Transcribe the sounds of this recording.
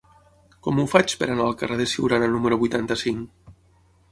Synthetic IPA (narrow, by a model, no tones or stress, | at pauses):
kɔmufat͡ʃpeɾanaːlˠkareðesiwɾananuməɾuβujt̪ant̪asiŋ